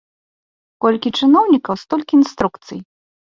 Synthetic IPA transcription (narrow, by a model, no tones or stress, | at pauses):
kɔlʲkʲit͡ʂɨnɔwnʲikɐwst̪ɔlʲkʲiinst̪ɾukt̪sɨj